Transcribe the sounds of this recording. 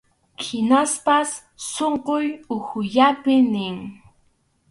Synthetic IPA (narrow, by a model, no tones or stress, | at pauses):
kɪnaspasː | oɴqʊjʊhʊʎapɪnɪŋ